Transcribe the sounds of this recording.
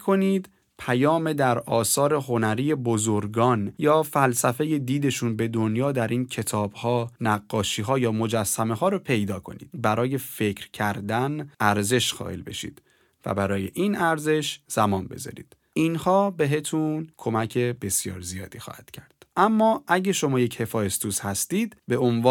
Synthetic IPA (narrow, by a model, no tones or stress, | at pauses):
kʰoniːd̪ | pʰæjɒːme̞d̪æɾɒːsɒːɾe̞ɦo̞næɾiːje̞bozoɾɡɒːnjɒːfælsæfe̞je̞d̪iːd̪e̞ʃuːnbe̞d̪onjɒːd̪æɾʔiːncʰe̞t̪ʰɒːb̥hɒːnæɡːɒːʃiːɦɒːjɒːmo̞d͡ʒæsːæme̞ɦɒːɾopʰe̞jd̪ɒːkʰo̞̰nḭːd̪̥bæɾɒːje̞fe̞cʰɾcʰæɾd̪ænʔæɾze̞ʃxɒ̰ːʔḛlbe̞̰ʃḭd̪̥ | væ̰bæɾɒːje̞̰ʔinʔæɾze̞ʃz̥æmɒːnbe̞̰zɒ̰ɾḭd̪̥ | inhɒːbe̞ɦe̞t̪ʰunkʰo̞mæcʰe̞be̞sjɒ̰ːɾzijɒ̰ːd̪iːxɒ̰ːhæd̪̥cʰæɾd̪̥ʔæmːɒːʔæɟeʃo̞mɒːje̞che̞fɒːjest̪ʰuːshæst̪iːd̪̥be̞onvɒː